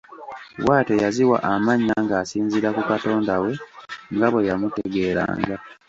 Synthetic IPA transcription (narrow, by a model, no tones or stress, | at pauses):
waːtejaziwa̰ʔamaɲːaŋɡaːsiːɲziɾakukato̞ːndawe̞ŋɡaβwe̞jamuteɡe̞ːɾa̰ːŋɡa